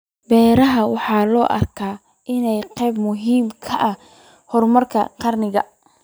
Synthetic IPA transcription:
bɛːɾɐɦɐwɑħɑːlɔːʔɐ̰rkʰaː | ɪnɛjqɛjbmʊɦiːmkʰɐʔɐ | hɔrmɐrkʰɐ̰qɑrnɪɣɐ̰

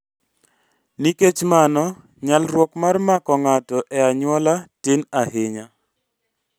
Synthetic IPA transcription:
niket͡ʃmanɔ | ɲalrwɔkmarmakɔŋatɔʔɛaɲwɔlatenaɦeɲa

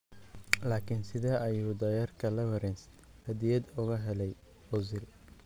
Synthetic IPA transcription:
laːkʰɪnsɪðɛːʔɐjuːd̪ɐjɐrkʰɐlɛvɐɾɛns | hɐd̪ɪjɐd̪ʊɣɐɦɛlɛj | ɔzɪl

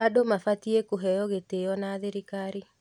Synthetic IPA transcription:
adomafatiekoɦɛjɔɣetejɔnaːðeɾikaɾi

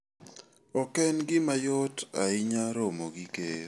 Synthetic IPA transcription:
ɔkɛnɡɪmajɔtaɪɲaɾomoɡike

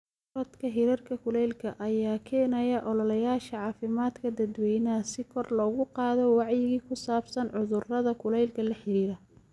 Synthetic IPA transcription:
ɾɐd̪kʰɐɦɪɾirkʰɐkʰʊlɛjlkʰɐʔɐjaːkʰɛːnɐjɐʔɔlɐlɐjaːʃɐʕɑːfɪmaːd̪kʰɐd̪ɐd̪wɛjnɐsɪkʰɔrlɔːɣʊqɑːðɔwɑʕjɪɣiːkʰʊsaːbsɐnʕʊðʊrɐðɐkʰʊlɛjlkʰɐlɐħɪɾiːɾɐ

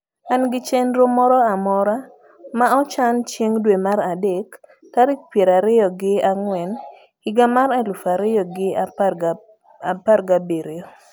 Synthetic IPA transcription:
anɡɪt͡ʃenɾomɔɾɔamɔɾa | maɔt͡ʃant͡ʃeŋdwemaɾadekː | aɾik̚pjeɾaɾɪjɔɡɪaŋwɛn | ɡɪɡamaɾalufaɾɪjɔɡɪa | aparɡabeɾo

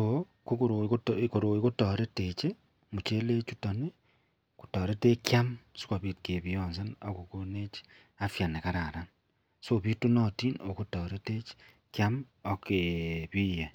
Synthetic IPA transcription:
oo | kukuɾokoɾoikutoɾetet͡ʃe | mut͡ʃeleːt͡ʃutone | ku̥toːɾetekjamsi̥koβitkeβionsenokukonet͡ʃi̥ | afjanekaɾaɾan | soβitunotinokutoːɾetet͡ʃi̥ | kjamokeβiːje

